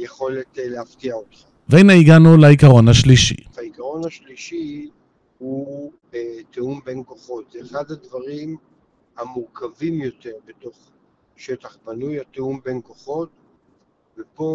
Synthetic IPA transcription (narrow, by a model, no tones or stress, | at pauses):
jeχo̞letleaftiaot̪χa | veenaiɡanulaikaʁo̞nhaʃliʃḭaikaʁo̞nhaʃliʃi | hu | t̪eumbenko̞χo̞t̪zeːχad̪had̪vaʁim | amuʁkavimjo̞t̪e̞ʁbet̪o̞χ | ʃet̪aχbanujat̪eumbenko̞χo̞t̪ | vepo̞